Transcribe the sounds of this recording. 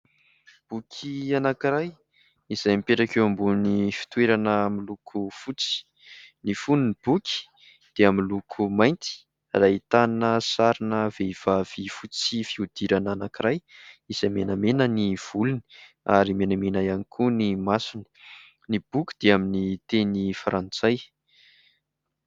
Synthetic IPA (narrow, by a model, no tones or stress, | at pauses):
b̥ukʲʰianakiɾaj | iz̥ajmipeɾakewambunifi̥t̪weɾanəmilukʰufut͡si̥ | nifununib̥ukʲi̥ | d̪̥eamilukʰumajnt̪i̥ | rait̪annəsaɾinəv̥eiv̥av̥ifut͡sifiud̪̥iɾananakirajiz̥amenamenəniv̥uluni̥ | a̰ɾimenamenajanikʰunimasinə̥ | nib̥ukʲi̥d̪̥eaminit̪enifaɾʔant͡saj